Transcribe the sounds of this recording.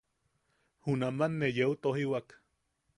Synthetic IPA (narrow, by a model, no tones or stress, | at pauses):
hunamanːejeut̪ohiwak